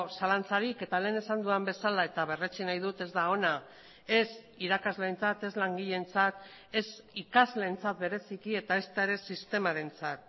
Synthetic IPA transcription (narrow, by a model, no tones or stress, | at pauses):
salant͡saɾike̞t̪ale̞ːne̞sand̪uambe̞salae̞t̪aβe̞re̞t͡ʃinajð̞ut̪e̞zd̪ao̞na | e̞s | iɾakazle̞ːnt͡sat̪e̞zlaŋɡiʎe̞nt͡sat̪ | e̞sikazle̞ːnt͡sat̪̚be̞ɾe̞sikie̞t̪ae̞st̪ae̞ɾe̞sist̪e̞maɾe̞nt͡sat̪̚